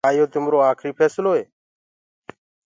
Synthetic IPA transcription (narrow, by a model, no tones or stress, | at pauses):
aːjoːt̪ɪmɾoːaːkʰɾiːpʰeːsloːeː